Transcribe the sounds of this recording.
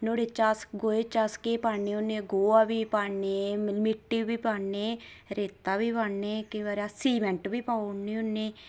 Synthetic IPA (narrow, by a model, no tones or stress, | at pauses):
noːɽet͡ʃasɡoːet͡ʃaːskeːpaːniːonːeːɡoːaːbiːpaːneːmɪʈːiːbiːpaːneːɾeːt̪aːbiːpaneːkəĩːʋaːɾaːsiːmɛɳʈbiːpaːonĩːonːeː